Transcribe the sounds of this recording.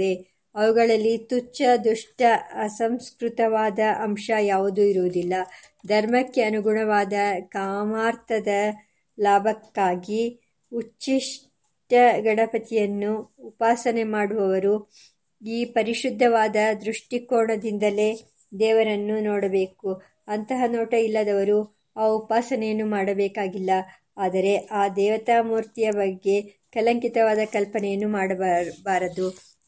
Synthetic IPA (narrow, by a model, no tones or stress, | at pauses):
e | ɐʋuɡɐɭɐlːit̪ut͡ʃːɐd̪uʂʈɐːsɐmskɾut̪ɐʋaːd̪ɐʔɐmʂɐjaːʋud̪uiɾuʋud̪ilːɐ | d̪ʱɐɾmɐkːeɐnuɡʱuɳɐʋaːd̪ɐkaːmaːɾt̪ʰɐd̪ɐ | laːbʱɐkːaːɡi | ut͡ʃːiʂ | ʈɐɡɐɽɐpɐt̪ijɐnːuːpaːsɐne̞maːɽuʋɐʋɐɾu | iːpɐɾiʃud̪ʱːɐʋaːd̪ɐd̪ɾuʂʈikoːɳɐd̪ind̪ɐle̞ː | d̪ɛːʋɐɾɐnːunoːɽɐbe̞ːku | ɐnt̪ɐɦɐnoːʈɐilːɐd̪ɐʋɐɾu | aːupaːsɐnɛjɐnːumaːɽɐbɛːkaːɡilːɐ | aːd̪ɐɾe̞ʔaːd̪ɛːʋɐt̪aːmuːɾt̪ijɐbɐɡːe̞ | kɐlɐŋkit̪ɐʋaːd̪ɐkɐlpɐnɛjɐnːumaːɽɐbaːɾɐd̪u